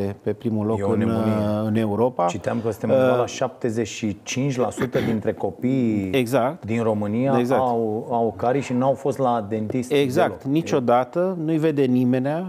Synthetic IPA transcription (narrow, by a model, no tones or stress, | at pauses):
epe̞pɾimulo̞kkɨnɨne̞uɾo̞pat͡ʃitt̪eamkəsɨ̥t̪emalaʃap̚t̪e̞zet͡ʃʃit͡ʃint͡ʃʲlasut̪əd̪int̪ɾe̞ko̞pijeɡzakt̪d̪inro̞mɨnijaeɡzaawukaɾijʃinuawfo̞st̪laːt̪e̞nt̪ist̪eɡzak̚t̪nit͡ʃo̞d̪at̪ənujve̞d̪e̞nime̞nea